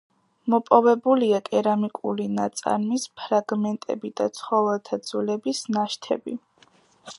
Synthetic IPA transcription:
mɔpʼɔvɛbuliakʼɛɾamikʼṵlinat̪sʼa̰ɾmispʰɾaɡmɛnt̪ʼɛ̰bid̪̥at̪sʰχɔvɛlˠt̪ʰad̪z̥ulɛbisnaʃt̪ʰɛ̰bi

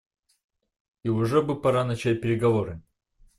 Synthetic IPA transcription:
iʊʐɛbɨpɐɾanɐt͡ɕæt̚ʲpʲɪɾʲɪɡɐvoɾɨ

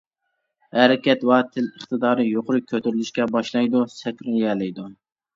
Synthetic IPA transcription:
hæɾɪkʲɛt̪wɑt̪ʰɪləχt̪ɨd̪ɑːɾɨjoqʰʊɾɨkʲʰːøt̪yɾylyʃkʲɛbɑʃlˠɑjd̪usɛkʲɾunjɛlɪjd̪u

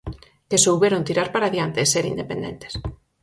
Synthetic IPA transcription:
kesowβeɾont̪iɾaɾpaɾaðjant̪eseɾḭnd̪epend̪ḛnt̪e̥s

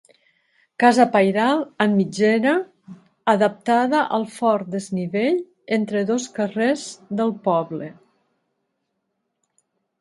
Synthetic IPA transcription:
kazəpajɾalˠəmːid͡ʒeɾaː | ðəp̚t̪aðəʔəlˠfɔɾt̪d̪əzniβeʎ | ent̪ɾəðoskərezðəlˠpɔβlə

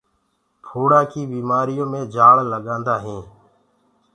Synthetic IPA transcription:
pʰoːɽaːkiːbiːmaːɾɪjõːmẽːd͡ʒʱaːɭləɠãːnd̪aːɦẽː

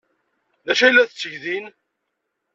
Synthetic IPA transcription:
ðæʃæjlːæθət͡sːəʝðin

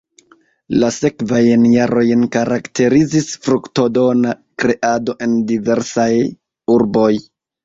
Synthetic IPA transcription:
lase̞kvajnjaɾʔo̞jnkaɾaktʰe̞ɾizisfɾukto̞do̞nakɾe̞ʔado̞ʔe̞ndive̞ɾsaj | uɾbo̞j

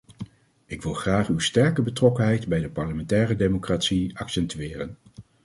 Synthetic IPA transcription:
ɪkʋɪlˠχraːχywstɛɹkəbətrɔkənɦɛjtbɛjdəpɑɹləmɛntɛːrədemokraːtsiɑksɛntyɪːrən

